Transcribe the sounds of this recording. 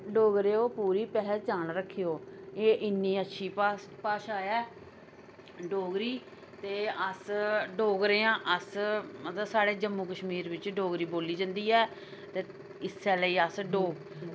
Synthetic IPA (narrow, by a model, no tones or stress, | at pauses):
ɖoːɡɾeːoːpuːɾiːpɛɦəɾt͡ʃaːnɾəkʰːejoːeːʔɪnːĩːətːʃʰiːpːpaːʃaːjɛː | ɖoːɡɾiː | t̪eːəsɖoːɡɾeːãːʔəsmət̪ləsaːɽeːd͡ʒəmːuːkəʃmiːɾʋɪt͡ʃɖoːɡɾiːboːliːd͡ʒə̃ːnd̪iːɛː | t̪eː | ɪsːɛːləiːəsɖoːɡ